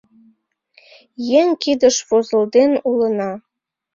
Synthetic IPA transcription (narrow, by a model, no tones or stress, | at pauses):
jeŋkid̪ə̆ʃβozə̆ld̪enulənɑ